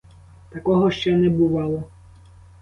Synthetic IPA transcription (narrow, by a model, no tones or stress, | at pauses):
t̪akɔɦɔʃt͡ʃɛnɛbʊʋɑlˠɔ